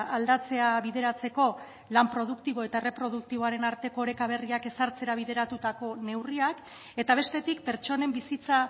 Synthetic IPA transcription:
ald̪at͡se̞aβiðe̞ɾat͡se̞ko̞ | lampɾo̞ð̞ukt̪iβ̞o̞e̞t̪aere̞pɾo̞ð̞uk̚t̪iβ̞o̞aɾe̞naɾt̪e̞koːɾe̞kaβ̞e̞riake̞saɾt͡se̞ɾaβ̞iðe̞ɾat̪ut̪ako̞ne̞wriak | e̞t̪aβ̞e̞st̪e̞t̪ikpe̞ɾt͡ʃo̞ne̞mbisit͡sa

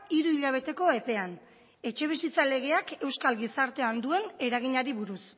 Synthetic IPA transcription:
iɾuiʎaβ̞e̞t̪e̞ko̞e̞pe̞an | e̞t͡ʃe̞β̞isit͡sale̞ɣ̞e̞ake̞wskalɣisaɾt̪e̞and̪ue̞ne̞ɾaɣ̞iɲaɾiβuɾus

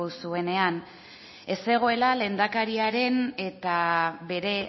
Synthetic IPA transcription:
usue̞ne̞an | e̞se̞ɣ̞o̞e̞lale̞nd̪akaɾiaɾe̞ne̞t̪aβe̞ɾe̞

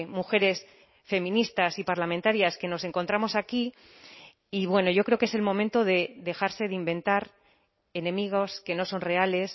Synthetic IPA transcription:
muxe̞ɾe̞s | fe̞mĩnist̪asipaɾlamẽnt̪aɾjaske̞no̞se̞ŋkont̪ɾamo̞sakiː | βwe̞no̞ʝo̞kɾeoke̞se̞lmõ̞mẽnt̪o̞ðe̞ðe̞xaɾse̞ðeimbẽ̞nt̪aɾ | e̞nẽ̞miɣ̞o̞ske̞no̞so̞nre̞ale̞s

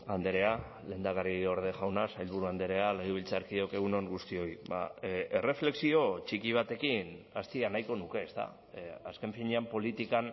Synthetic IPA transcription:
and̪eɾe̞a | le̞ːnd̪aɣario̞ɾð̞e̞ʝawnasajlβuɾuand̪e̞ɾe̞aleɣ̞iβilt͡saɾkiðo̞ke̞ɣ̞uno̞ŋɡust̪io̞jβa̰e̞re̞fle̞ksio̞t͡ʃikiβ̞at̪e̞kinast̪ianajko̞nuke̞ːst̪a̰ | aske̞ɱfiɲeampo̞lit̪ikan

